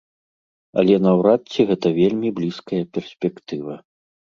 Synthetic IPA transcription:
ɐ̰lʲɛnɐwɾat̪t͡sʲːiɣɛt̪ɐvʲelʲmʲiblʲiskɐjɐpʲɛrsʲpʲɛkt̪ɨvɐ

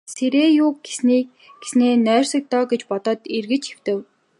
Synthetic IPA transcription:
seɾeːjʊːkɡesni | ɡ̥e̥sneːnœːr̥ʲsə̆k̚t̪ɔːɡet͡ɕpɔt̪ɔ̆ːt̪irɣɘ̆t͡ɕxew̥t̪ɘ̆w

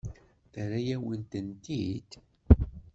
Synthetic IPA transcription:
θəɾæjæwənt̪ənt̪id̪

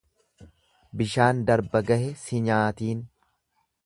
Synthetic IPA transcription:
bɪʃaːnd̪ɐɾbɐɡɐhɛsɪɲaːt̪iːn

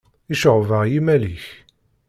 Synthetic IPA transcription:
iʃəʁvaʁjimæliç

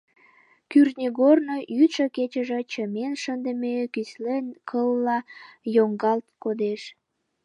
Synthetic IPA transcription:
kyrnʲeɣornojyt̪ʃəket͡ɕəʒe̽t͡ɕəmenʃənd̪ə̆mekyslenkʰəlːɑjoŋɡɑlt̪kod̪eʃ

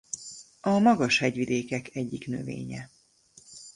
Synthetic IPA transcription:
ɒmɒɡɒʃhɛɟʋid̪eːkɛkɛɟːiknø̰vḛːɲɛ

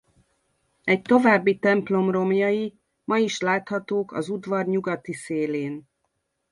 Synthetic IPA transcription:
ɛc̚t̪o̞vaːbːit̪ɛmplo̞mro̞mjɒji | mɒjiʃlaːt̪hɒt̪oːkɒ̰zud̪vɒrɲuɡɒt̪iseːleːn

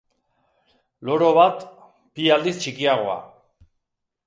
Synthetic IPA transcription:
loɾo̞βat̪ | piald̪ist͡ʃikiaɣ̞o̞a̰

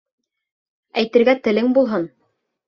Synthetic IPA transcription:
æjt̪ɘ̆ɾɡæt̪ɘ̆lɘŋbulˠɦɤn

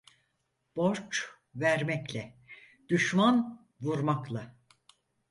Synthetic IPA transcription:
b̥oɾt͡ʃ | væɾmɛclʲɛ | d̪̥yʃman | vuɾmaklˠa

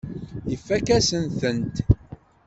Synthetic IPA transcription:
ifːækæsənθənt̪

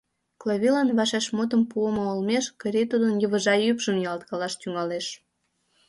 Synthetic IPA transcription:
kloβʲilɑnβɑʃeʃmot̪̬əmpuəmoolmeʃkəɾet̪ud̪ənjəβəʒɑjypʒəmjɑlt̪kɑlɑʃt̪yŋɑleʃ

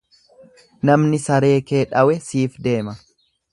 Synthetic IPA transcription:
nɐmnɪsɐɾe̞ːke̞ːᶑɐwɛsiːfd̪e̞ːmɐ

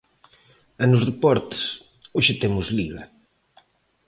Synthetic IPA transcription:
enʊsrepɔɾt̪ɪ̥s | oʃet̪emʊzliɣɐ

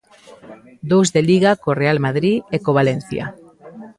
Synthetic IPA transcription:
d̪owzðeliɣakorealmaðɾiekoβalen̟θja̰

